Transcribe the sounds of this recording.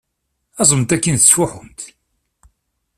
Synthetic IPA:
æzˤəmt̪ækːənθə̥sʊħʊmt̪

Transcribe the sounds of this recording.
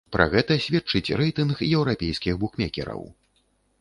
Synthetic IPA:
pɾa̰ɣɛt̪ɐsʲvʲɛt͡ʂːɨt͡sʲrɛjt̪ɨnxjɛwɾapʲejskʲiɣbukmʲɛkʲɛ̰ɾɐ̰w

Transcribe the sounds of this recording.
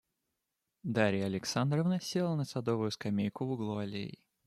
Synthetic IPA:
d̪aɾʲɪjəɐlʲɪksand̪ɾəvnəsʲelˠnəsɐd̪ovʊjʊskɐmʲejkʊvʊɡlˠoɐlʲḛjɪ̰

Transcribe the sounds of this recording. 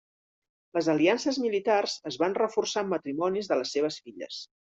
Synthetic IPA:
ləzəliansəzmilit̪arzəzβanrəfursamːət̪ɾimɔnizðələsːeβ̞əsfiʎə̰s

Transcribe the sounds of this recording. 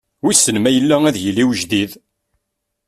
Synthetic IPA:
wisənmæjəlːææðjəlːiwəʒd̪ið

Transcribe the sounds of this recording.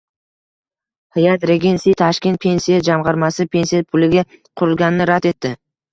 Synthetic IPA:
hɪjat̪ɾe̞ɡʲensijt̪ʰaʃkʲe̞nt̪̚pʰe̞nʲsijad͡ʒamʁɑɾmasɪpʰe̞nsijapʰʊlɪɡʲaqʰʊɾɪlˠɡʲanɪnɪɾat̪e̞t̪ːɪ

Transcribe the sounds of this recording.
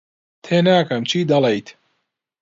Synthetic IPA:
t̪ʰeːnaːkɐmt͡ʃʰiːd̪ɐlɐjt̪ʰ

